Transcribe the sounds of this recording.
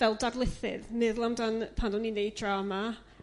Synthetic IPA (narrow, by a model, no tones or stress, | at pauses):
vɛlˠdadlˠɪθɪ̰ðnɪðlˠamdanpʰandɔninejd̚tʰrama